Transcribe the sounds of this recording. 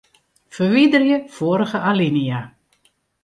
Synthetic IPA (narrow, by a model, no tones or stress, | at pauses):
fərʋidərjəfoːəɾəɣəʔalinija